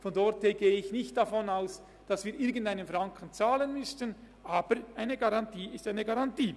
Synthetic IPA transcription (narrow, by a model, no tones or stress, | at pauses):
fɔndɔrtheːɡeːəɪçnɪçt̚d̥afɔnaʊs | d̥ɑsviːɾʔɪɾɡən̩daɪnənfɾɑŋkʰən̩t͡saːlənmʏstən | ʔaːbəɾʔaɪnəɡaʁɑntiːɪstaɪnəɡaʁɑntiː